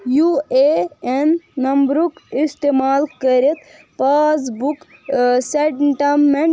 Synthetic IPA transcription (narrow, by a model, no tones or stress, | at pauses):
jueenːɐmbɾukist̪eːmaːlkəɾet̪ | paːs̬buk | seʈʈamːẽɳ